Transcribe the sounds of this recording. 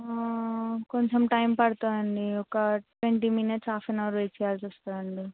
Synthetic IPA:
koɲt͡ʃemʈɐjmpɐɽt̪aːɐɳɖiɔkɐʈʋeɳʈiminɐʈsaːfenɐʋɐɾuet͡ʃijaːɾsust̪aːɐɳɖi

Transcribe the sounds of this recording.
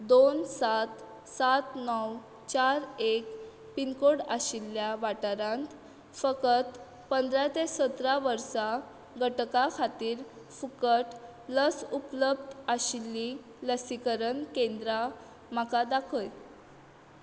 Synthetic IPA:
d̪onsat̪ | sat̪nɔw | t͡ɕaɾek | pinkoɽaɕilːjaʋaʈəɾãnt̪ | fəkət̪ | pənd̪ɾat̪esət̪ɾaʋəɾsa | ɡʱəʈkakʰat̪iːɾ | fukəʈ | ləsupləbd̪əɕilːi | ləsikəɾənkẽnd̪ɾa | m̤akad̪akʰəj

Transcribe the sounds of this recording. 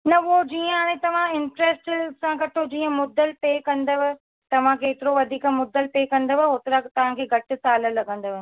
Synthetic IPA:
nɐʊɦod͡ʑiːə̃ɦaːɽ̃ẽt̪ɐʋ̤ãɪ̃ɳʈɾesʈsãkɐt̪ʰod͡ʑiːə̃mʊd̪əlpeːkɐ̃nd̪əʋɪ | t̪ɐʋ̤ãkʰeːt̪ɪɾoʋɐd̪ʱiːkmʊd̪əlpeːkɐ̃nd̪əʋɪɦot̪ɪɾakt̪ɐʋ̤ãkʰeːɡʱɐʈɪ̆saːləlɐɡə̃nd̪oʋɪ

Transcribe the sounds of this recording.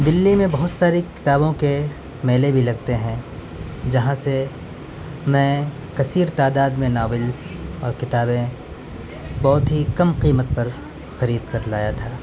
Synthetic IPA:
d̪ɪlːimẽbɐɦʊt̪saːɾikɪ̥t̪aːbõke | meːlebʱilɐɡt̪eɦɛ̃ | d͡ʒɐɦãse | mɛ̃ | kɐsiːɾt̪aːd̪aːd̪mẽnaːʋɪlsɔːɾkɪt̪aːbẽ | bɔːt̪ɦikɐmqiːmət̪̚pɐɾ | xɐɾiːd̪kɐɾlaːjat̪ʰaː

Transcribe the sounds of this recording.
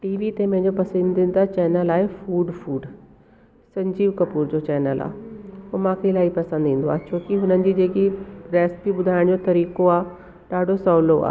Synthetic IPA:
ʈiːʋit̪ẽmɐ̃ɦɪ̃ɲ̆d͡ʑopɐsə̃nd̪ɪ̃ːn̆d̪at͡ɕɛːnəlaːɦefuːɖfuːɖ | sɐ̃ɲd͡ʑiːʋkɐpuːɾd͡ʑot͡ɕɛːnəla̰ːɦeomãːkʰeɪlaːipɐsə̃nd̪ĩːn̆d̪oa̰ːt͡ɕʰoːkiɦʊnənɪ̆d͡ʑiːd͡ʑeːkiɾɛːsbiɓʊd̪ʱaːɪɽ̃d͡ʑot̪ɐɾiːkoaː | ɗaːɖʱosɔːloa̰ː

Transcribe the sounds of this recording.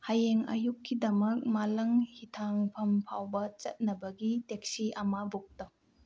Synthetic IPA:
hajeŋɐ̰jukʰːidɐmɐk̚malɐŋhitʰaŋpʰɐmpʰawbɐt͡ʃɐt̚nɐbɐɡitek̚siɐmabok̚tɐ

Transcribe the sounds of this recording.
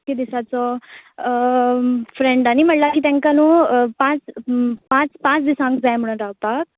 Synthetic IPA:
ked̪isat͡sɔ | fɾeɳɖanim̤əɳlakit̪ɛ̃ŋkanupãt͡spãt͡spãt͡sd̪isãŋkd͡zajm̤əɽ̃ənɾawpak̚

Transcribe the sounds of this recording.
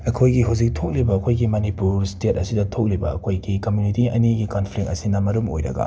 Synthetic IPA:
ɐkʰojɡiɦawzik̚tʰok̚libɐːkʰojɡimɐnipuɾstet̚ɐsidɐtʰok̚libɐɐ̰kʰojɡikɐmjunitiɐ̰niɡikonpʰlik̚ɐsinɐmɐɾumo̰jɾɐ̰ɡɐ̰

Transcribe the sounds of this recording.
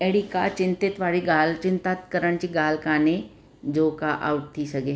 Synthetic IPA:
ɛɽikat͡ɕɪ̃nt̪ɪt̪ʋaːɽiɡaːlt͡ɕɪ̃nt̪aːt̪kəɾəɽ̃t͡ɕiːɡaːlkaːne | d͡ʑoːkaʔa̰ːuʈ̚t̪ʰːisɐɡeː

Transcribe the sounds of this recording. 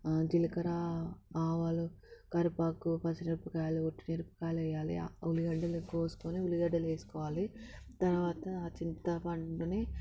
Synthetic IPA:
d͡ʒilɐkɐɾaːaːʋaːlu | kɐɾpaːkupɐsɐniɾpɐkaːjluoʈːiniɾpɐ̥kaːlɛjːaːlḭuliɡɐɖɐlkoːsu̥koːneuliɡɐɖːɐleːsu̥kɔːʋaːlit̪ɐɾuʋaːt̪ɐt͡ʃint̪ɐpɐɳɖuneː

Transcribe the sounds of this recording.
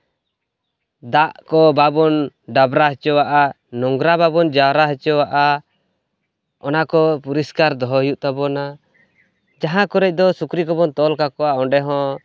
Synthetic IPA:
d̪aʔkɔbabɔnɖabɾaɦɛt͡ʃɔwaʔa | nɔŋɡɾababɔnd͡ʒaɾaɦɛt͡ʃɔwaʔa | ɔnakɔpuɾiskaɾd̪ɔɦɔɦjuʔt̪abɔna | d͡ʒaɦãkɔɾɛc̚d̪ɔsukɾikɔbɔnt̪ɔlkakɔwaɔɖɛɦɔ̃

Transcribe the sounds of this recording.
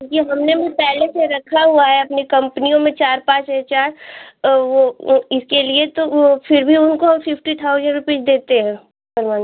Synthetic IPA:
ũkieɦɐmnebʱipɛɦleseɾɐkʰaɦuaɦɛɐpnikɐ̃mpnijõmẽt͡ʃaːɾpãːt͡ʃɦɛt͡ʃaːɾ | ʋoɪskeliet̪ofɪɾbʱiʊnkoɦɐmfɪfʈit̪ʰaʊzə̃ɳɖɾʊpeːʃd̪eːt̪eɦɛ̃ː | bɐɾmaːn

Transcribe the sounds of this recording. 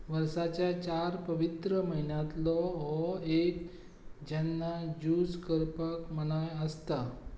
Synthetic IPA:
ʋəɾsat͡ɕjat͡ɕaɾpəʋit̪ɾəməɦinjãt̪lɔɦɔek | d͡ʑɛnːad͡ʑuskəɾpəkm̤əɽ̃ajəst̪a

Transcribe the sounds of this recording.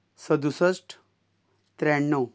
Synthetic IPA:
səd̪ʱusəsʈ | t̪ɾɛɳːəw

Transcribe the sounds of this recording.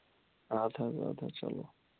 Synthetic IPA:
ad̪ʰaza̰d̪at͡ʃa̰lo

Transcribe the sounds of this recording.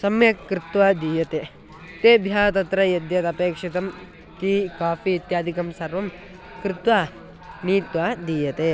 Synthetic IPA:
sɐmjɐkkːɾɪt̪ʋaːd̪iːjɐt̪eː | t̪eːbʱjaːɐt̪ɐt̪ɾɐjɐd̪jɐt̪ɐpeːkʂit̪ɐm | kikaːfiːt̪jaːd̪ʱikɐmsɐɾʋɐm | kɾɪt̪ʋaː | niːt̪ʋaːd̪iːjɐt̪eː

